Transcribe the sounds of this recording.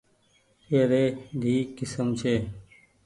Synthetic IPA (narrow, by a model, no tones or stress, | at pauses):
eːɾeːd̪ʱiːkɪsəmt͡ʃʰeː